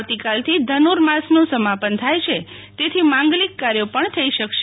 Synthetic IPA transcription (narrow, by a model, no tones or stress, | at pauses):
ʋt̪ikalt̪ʰid̪ʱənuɾmãsnũsəmapənt̪ʰajt͡ʃʰet̪et̪ʰimãŋɡlikːaɾjopəɳt̪ʰəiʃəkʃe